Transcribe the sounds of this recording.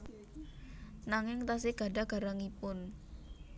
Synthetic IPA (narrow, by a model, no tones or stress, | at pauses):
naŋɪŋt̪as̬ɪɡ̥a̤ɖa̤ɡ̥a̤ɾaŋipʊn